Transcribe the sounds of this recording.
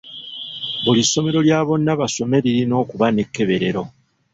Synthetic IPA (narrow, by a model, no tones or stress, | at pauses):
βulisːo̞me̞ɾo̞ljaːβo̞nːaβaso̞me̞ɾiɾino̞ːkuβane̞kːe̞βe̞ɾe̞ɾo̞